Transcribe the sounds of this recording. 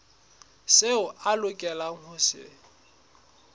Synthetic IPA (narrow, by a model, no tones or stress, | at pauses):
seʊʔalʊkʼɛlaŋ̩hʊsɪ̰